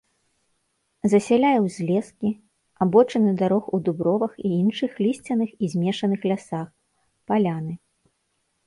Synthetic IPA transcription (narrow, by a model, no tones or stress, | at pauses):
zɐsʲɛlʲajɛwzʲlʲɛskʲi | abɔt͡ʂɐnɨd̪aɾɔxud̪ubɾɔvɐxiinʂɨxlʲisʲt͡sʲɐnɨxizʲmʲɛʂɐnɨxlʲasax | palʲanɨ